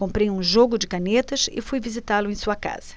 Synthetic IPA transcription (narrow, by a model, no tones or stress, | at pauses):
kõmpɾejũʒoɡʊd͡ʒɪkanet̪ɐsɪ̰fujvizit̪alʊẽj̃suɐka̰z̥ɐ̥